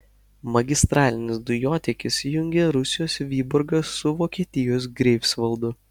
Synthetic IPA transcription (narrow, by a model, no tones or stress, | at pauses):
mɐɡʲɪst̪ɾɑːlʲɪnʲɪsd̪ʊjoːt̪ʲɛkʲɪsjʊŋʲɡʲeːɾʊsʲɪjoːsʲʋʲiːbʊɾɡɐsːʊʋoːkʲiɛt̪ʲɪjoːs̬ɡɾʲɛɪpsʋɐlˠd̪ʊ